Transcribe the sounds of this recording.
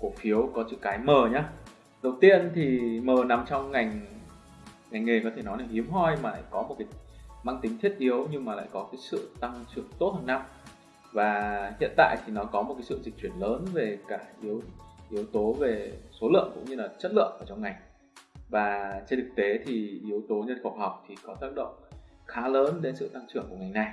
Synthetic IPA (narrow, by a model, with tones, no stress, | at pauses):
ku˧˩əfi˨˦əwkɔ˨˦t͡ɕɨ̰˧˨kaː˨˦jməː˨˩ɲaː˧ | ɗə˨˩wt̪i˧ənt̪ʰi˨˩məː˨˩na˨˩mt͡ɕɔ˧wŋ͡mŋa˨˩jŋ̟ | ŋa˨˩jŋ̟ŋe˨˩kɔ˨˦t̪ʰe˧˩nɔ˨˦jna˧˩whi˨˦əmɦɔ˧jmaː˨˩la̰ː˧˨jkɔ˨˦mo˨˩t̚ka˨˦jmaː˧ŋt̪ï˨˦ŋt̪ʰi˦˥t̚ʔi˨˦əwɲɨ˧ŋmaː˨˩la̰ː˧˨jkɔ˨˦kaː˨˦jsɨ̰˧˨t̪a˧ŋt͡ɕɨ˨˩əŋt̪o˦˥t̚hə˨˩n̚a˧m | vaː˨˩hḭ˧˨ənt̪a̰ː˧˨jt̪ʰi˨˩nɔ˨˦kɔ˨˦mo˨˩t̚kaː˨˦sɨ̰˧˨zi̟˨˩t͡ɕwi˧˩ənləː˨˦nve˨˩kaː˧˩ʔi˨˦əwʔi˨˦əwt̪o˨˦ve˨˩so˨˦lɨ̰˧˨əŋkʊ̰˧˥ŋ͡mɲɨ˧laː˨˩t͡ɕə˦˥t̚lɨ̰˧˨ənʔəː˧˩t͡ɕɔ˧wŋ͡mŋa˨˩j | vaː˨˩t͡ɕe˧nt̪ɨ˨˩k̚t̪e˨˦t̪ʰi˨˩ʔi˨˦əwt̪o˨˦ɲə˧nfə˨˩k͡p̚hɔ˨˩wk͡p̚t̪ʰi˨˩kɔ˨˦t̪aː˦˥k̚ɗə̰˧˨wŋ͡m | xaː˨˦ləː˨˦nɗe˨˦nsɨ̰˧˨t̪a˧ŋt͡ɕɨ˧˩əŋku˧˩ŋa˨˩jna˨˩j